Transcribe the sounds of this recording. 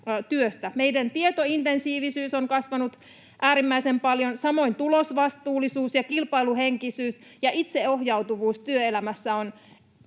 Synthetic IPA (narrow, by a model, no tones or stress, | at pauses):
t̪yøst̪æmeidænt̪iet̪oint̪ensiːʋisyːsoŋkɑsʋɑnut̪ | ʔæːɾimːæisempɑljonsɑmo̞int̪ulosʋɑst̪uːlːˑisuːsjɑkilpɑiluheŋkisyːsjɑʔit̪seohjɑut̪uʋuːst̪yøelæmæsːæon